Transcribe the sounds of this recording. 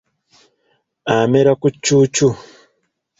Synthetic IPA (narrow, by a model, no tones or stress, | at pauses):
ameɾakut͡ʃːut͡ʃu